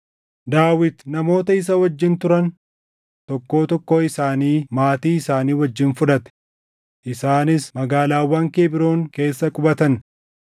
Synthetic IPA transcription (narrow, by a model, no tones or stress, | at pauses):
d̪aːwɪt̪nɐmo̞ːt̪ɐɪs̬ɐwɐd͡ʒːɪnt̪ʊɾɐn | t̪ɔkːo̞ːt̪ɔkːo̞ːɪsaːniːmaːt̪iːɪsaːniːwɐd͡ʒːɪnfʊᶑɐt̪ɛ̥ | ʔɪsaːnɪsmɐɡaːlaːwːɐːŋkeːbɪɾoːŋke̞ːsːɐkʼʊbɐt̪ɐn